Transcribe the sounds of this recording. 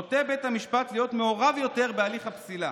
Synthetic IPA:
ot̪ebet̪hamiʃpat̪lijo̞t̪meoʁavjo̞te̞ʁbealiχhapsila

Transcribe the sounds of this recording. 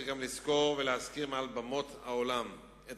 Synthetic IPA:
ɡamlisko̞ʁveleaskiʁmealbamo̞thaolam | et

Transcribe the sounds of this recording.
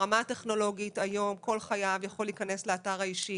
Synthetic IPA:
amate̞χno̞lo̞ɡitajo̞mko̞lχajavjaχo̞lːiːkane̞sleataʁaiʃi

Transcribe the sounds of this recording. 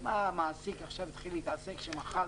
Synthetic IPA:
mamaːsikaχʃavt̪χiliːt̪ase̞kʃemaχa

